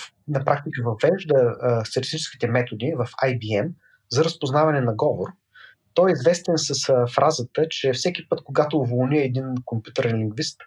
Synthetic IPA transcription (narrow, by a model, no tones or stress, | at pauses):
nɐpɾʔakt̪ikəvɐvɛʒd̪əst̪ət̪ʲist̪it͡ʃɛski̥t̪ɛmɛt̪od̪ivɐfajbiɛm | zɐɾəspoznavɐnɛnɐɡɔvoɾ | t̪ɔjizvɛst̪ɛnsɐsfɾʔazət̪ət͡ʃɛfsɛkʲipɤt̪koɡat̪oːvolˠniəɛd̪inkompjut̪əɾɛnliŋɡvist̪